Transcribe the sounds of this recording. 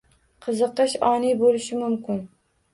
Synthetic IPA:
qʰɨzɨqːɑʃɒnibolɪʃɪmʊmkʲʰɪn

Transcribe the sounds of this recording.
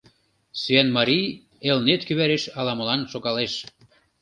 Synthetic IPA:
syænmɑɾij | elnet̪kyβæɾeʃɑlɑmə̆lɑnʃoɣɑleʃ

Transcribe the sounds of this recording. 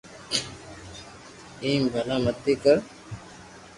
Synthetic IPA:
iːmbʱɐlaːmət̪ːikəɾ

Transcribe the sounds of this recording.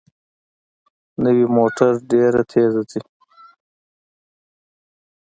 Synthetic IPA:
nəwimoːʈaɾɖeɾat̪ʰezat͡si

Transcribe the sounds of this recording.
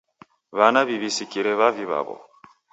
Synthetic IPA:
βanaβiβisikiɾɛβaviβa̰βɔ̰

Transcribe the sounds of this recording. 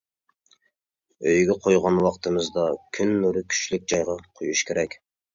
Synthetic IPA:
øjɡʲɛqʰojʁɑnwɑqt̪ʰɨmɨzd̪ɑkʲʰynːuɾɨkʲʰy̥ʃlɪk̚ʲd͡ʒɑjʁɑqʰojuʃkʲʰeɾɛkʲ

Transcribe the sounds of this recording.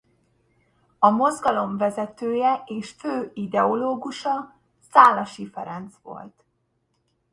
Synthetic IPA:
ɒmo̞zɡɒlo̞ɱvɛzɛt̪øːjɛʔeːʃføːid̪ɛo̞loːɡuʃɒ | saːlːɒʃifɛɾɛnt̪sʋo̞̰lt̪

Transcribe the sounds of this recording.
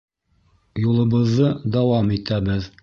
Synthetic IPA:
julˠɤ̆βɤ̆ðːɤd̪ɑwɑmit̪æβɘð

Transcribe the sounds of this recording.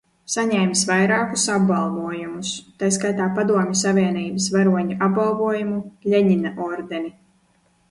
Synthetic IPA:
saɲɛjmsvajɾaːkusabbalˠvuɔjumust̪ajs̬kajt̪aːpad̪uɔmʲɪsavʲiɛniːbəsvaɾuɔɲuʔab̚balˠvuɔjumuʎʲeɲinaʔɔɾd̪eni

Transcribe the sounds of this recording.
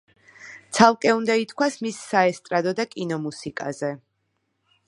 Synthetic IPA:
t̪sʰalˠkʼɛund̪ait̪ʰkʰwasmisːaɛst̪ʼɾad̪ɔd̪akʼinɔmusikʼazɛ

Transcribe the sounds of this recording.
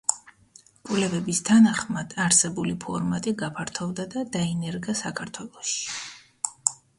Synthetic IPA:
kʼuvlɛbɛbist̪ʰanaχmad̪̥aɾsɛbulipʰɔɾmat̪ʼiɡapʰaɾt̪ʰɔvd̪ad̪ad̪ainɛɾɡasakʰaɾt̪ʰwɛlˠɔʃi̥

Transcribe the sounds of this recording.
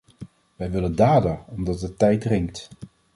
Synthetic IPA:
ʋɛjʋɪləndaːdəɔmdɑt̚ətɛjt̚drɪŋkt

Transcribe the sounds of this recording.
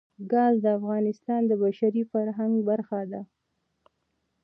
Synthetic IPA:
ɡɑzd̪əafɣɑnɪst̪ɑnd̪əbaʃaɾifaɾɦaŋɡbaɾxad̪a

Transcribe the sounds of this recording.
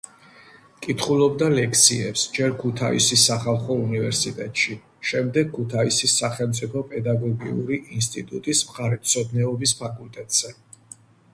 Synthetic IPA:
kʼit̪ʰχulˠɔbd̪alɛkʰsiɛpsd͡ʒɛɾkʰut̪ʰaḭsisːaχalˠχɔunivɛɾsit̪ʼɛt̪ʼʃi | ʃɛmd̪ɛɡ̚kʰːut̪ʰaisisaχɛlˠmt̪sʼipʰɔpʼɛd̪aɡɔɡiṵɾiʔinst̪ʼit̪ʼut̪ʼismχaɾɛt̪sʰɔd̪nɛɔbispʰakʼult̪ʼɛt̪ʼz̥ɛ

